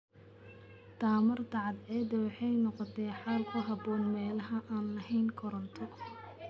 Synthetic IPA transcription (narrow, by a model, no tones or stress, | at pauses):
d̪̥aːmɐrd̪ɑʕɑd̪ɛːd̪ɐwɑħɑjnɔqɔt̪ʰɛːħaːlkʰʊɦɑbɔːnmɛːlɐɦɐʔaːnlɐɦɛjnkʰɔɾɔnt̪ʰɔ